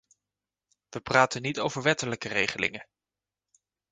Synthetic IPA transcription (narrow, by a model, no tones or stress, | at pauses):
ʋəpraːtənitowvəɹʋɛtələkərejχəlɪ̰ŋə